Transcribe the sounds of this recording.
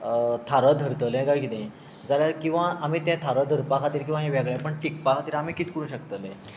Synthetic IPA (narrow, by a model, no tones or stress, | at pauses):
t̪ʰaɾəd̪ʱəɾt̪əlɛ̃kajkit̪ẽ | d͡zaljaɾkĩw̃ʋaʔam̤iːt̪jãt̪ʰaɾəd̪ʱəɾpakʰat̪iːɾkĩw̃ʋaɦeʋɛɡɭjãpəɳʈik̚pakʰat̪iːɾam̤iːkiːt̪kəɾũɕəkt̪əlẽ